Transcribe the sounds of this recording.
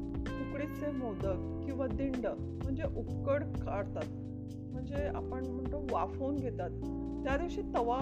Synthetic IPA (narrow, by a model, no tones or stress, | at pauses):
tukɽit͡semɔd̪ək | kĩw̃ʋad̪iɳɖə | m̤əɳd͡zeʔupkəɽkaɽt̪at̪ | m̤əɳd͡zea̰pəɳm̤əɳt̪oʋafonɡʱet̪at̪ː | jad̪iʋɕiːt̪əʋa